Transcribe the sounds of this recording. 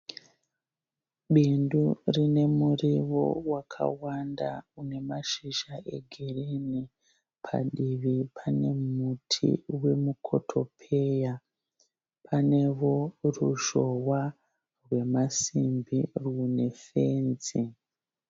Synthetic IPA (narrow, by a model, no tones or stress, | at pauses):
ɓindurine̞muriʋo̰wakʰa̰wanda̰une̞maʃiʒaʔe̞̰ɡʱereni | pʰa̰ɗiʋipʰane̞mutʰḭwe̞mukʰo̞tʰo̞pʰe̞ja | pane̞ʋo̞ruʒo̞wa | rwe̞masimbirune̞fe̞ːnd͡zi